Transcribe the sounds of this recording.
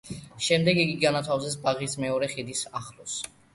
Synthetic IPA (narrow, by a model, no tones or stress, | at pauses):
ʃɛmd̪ɛɡiɡiɡanat̪ʰavzɛsbaʁismɛɔɾɛχid̪isaχlɔs